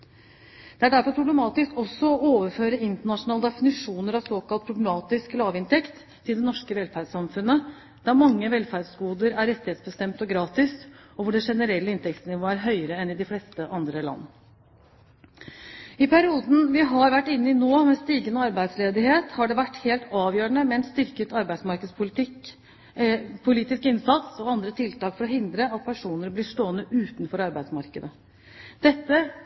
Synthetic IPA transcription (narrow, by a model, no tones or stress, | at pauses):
d̪̥ɛæɖæɾfɔɾpʰɾʊblɛmɑːt̪ɪskɔsːɔɔʔoːʋəɾføːɾəɪnt̪əɳɑʂʊnɑːləd̪ɛfɪnɪʂuːnəɾɑʋsoːkɑlt̪̚pʰɾʊblɛmɑːt̪ɪsklɑːʋɪnt̪ʰɛkt̪ː | ɪld̪ɛnɔʂkəʋɛlfæɾɖsɑmfʉnːə | d̪̥æɾmɑŋːəʋɛlfæɖsɡuːd̪əɾæɾɛt̪ːɪheːt̪sbəst̪ɛmt̪ɔɡɾɑːt̪ɪsɔʋʊɖɛʂɛnəɾɛlːəɪnt̪ɛkst̪nɪʋoːəæɾɦœʏəɾəɛnːɪd̪ɪflɛːst̪əʔɑnd̪ɾəlɑ̰nː | ɪpʰæɾɪuːd̪n̩ʋɪɦɑɾʋæʈːɪnːɪnoːmɛst̪iːɡənəɑɾbæɪd̪sleːd̪ɪheːt̪hɑɖɛʋæʈːheːlt̪ɑːʋjøːɾəɳəmɛɛnst̪ʏɾkət̪ɑɾbæɪsmɑɾkəd̪spʊlt̪ɪ | pʰʊliːt̪ɪskəɪnsɑt̪sɔɑnd̪ɾət̪ʰɪlt̪ɑːkfɔɾɔɦɪnd̪ɾəɑt̪̚pʰæʂuːnəɾblɪʂʈoːənəʔʉːt̪nfɔɾɑɾbæɪsmɑɾkəd̪ə | d̪̥ɛt̪ːə